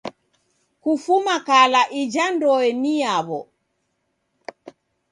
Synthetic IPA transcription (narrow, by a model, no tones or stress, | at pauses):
kufumakalaʔid͡ʒandɔɛniaβɔ̰